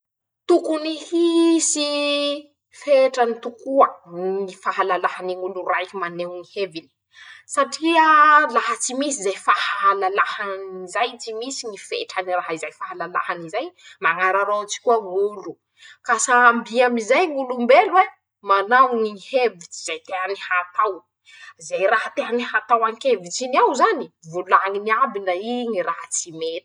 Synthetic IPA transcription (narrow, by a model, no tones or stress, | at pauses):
t̪ukunihisi | feʈ͡ʂənit̪ukuənifaɦalalaɦaniŋuluɾaikimanewnihevini̥ | saʈ͡ʂiəlaɦat͡simisizejfahaɦalalahanizajt͡simisiŋifḛʈ͡ʂaniraɦizajfaɦalala̰hanizajmaŋaɾaɾowt͡si̥kuaŋulu | kasaːmbiamizajŋulumbelwe | manawŋihevit͡si̥z̥ajt̪eɦanihat̪aw | zajɾaɦat̪eɦanihat̪awaŋkevit͡siniawzanivulaŋiniabinaiŋiɾaɦat͡simet̪i̥